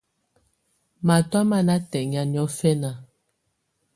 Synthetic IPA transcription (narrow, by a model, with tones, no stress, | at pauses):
ma˨twa˦ma˦na˦tɛ˨ɲ˨a˨njɔ˨˦fɛ˦na˨